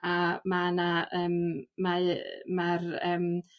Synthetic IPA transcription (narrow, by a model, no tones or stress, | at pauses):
amanaʔəːmmamarəːm